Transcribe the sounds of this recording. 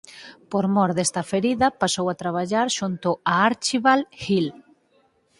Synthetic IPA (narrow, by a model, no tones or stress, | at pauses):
poɾmɔɾðɛst̪ɐfeɾiðɐpasowat̪ɾaβ̞aʎaɾʃunt̪ʊaaɾt͡ʃiβalxil